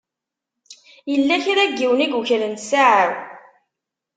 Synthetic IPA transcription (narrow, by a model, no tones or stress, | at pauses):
jəlːæçiɾæɡːiwniɡuçlənt̪saʕəɾ